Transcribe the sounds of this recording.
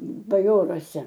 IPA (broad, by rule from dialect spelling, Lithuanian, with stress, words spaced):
bɐˈjoːruɔsʲɛ